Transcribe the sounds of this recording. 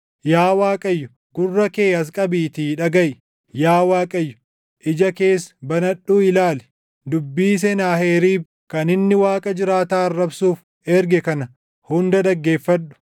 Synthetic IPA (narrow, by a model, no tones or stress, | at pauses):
jaːwaːkʼɐjːʊ | ɡ̥ʊrːɐke̞ːɐs̬kʼɐbiːt̪iːᶑɐɡɐʔ | jaːwaːkʼɐjːʊ̥ | ʔɪd͡ʒɐke̞ːsbɐnɐɗuːɪlaːlɛ̥ | d̪ʊbːiːs̬ɛnaːheːɾiːb | kɐnɪnːɪwaːkʼɐd͡ʒɪɾaːt̪aːɐrːɐbsuːf | ɛɾɡɛkɐnɐ | hʊnd̪ɐd̪ɐɡːe̞ːfːɐᶑʊ̥